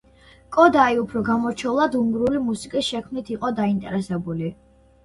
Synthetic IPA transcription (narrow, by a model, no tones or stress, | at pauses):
kʼɔd̪aiupʰɾɔɡamɔɾt͡ʃʰɔlˠad̪uŋɡɾulimusikʼisʃɛkʰmnit̪ʰiqʼɔd̪aint̪ʼɛɾɛsɛbuli